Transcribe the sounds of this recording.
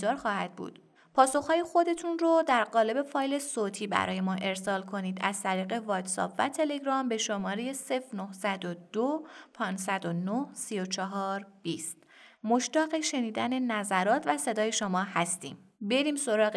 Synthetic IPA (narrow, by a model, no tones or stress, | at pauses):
ɒːɾxɒːhæd̪̚bṵːd̪̥ | pʰɒːso̞xhɒːjexo̞d̪e̞t̪ʰunrod̪æɾɢɒːle̞be̞fɒːjle̞soːt̪ʰiːbæ̰ɾɒ̰ːje̞mɒːʔe̞ɾsɒːlkʰo̞niːd̪æz̥t̪ʰæɾiːɣe̞vɒːt̪sɒ̰pʰvæ̰t̪ʰe̞le̞ɡɾɒːmbe̞ʃo̞mɒːɾe̞je̞se̞fɾnohsæd̪od̪̥opʰɒːnd͡ʒsæd̪onohsijot͡ʃʰɒɦɒːɾb̥iːst̪ | mo̞ʃt̪ɒːɣeʃe̞niːd̪æne̞næzæɾɒːt̪ʰvæse̞d̪ɒːje̞ʃomɒːhæst̪ḭːm | be̞ɾiːmso̞ɾɒːɣ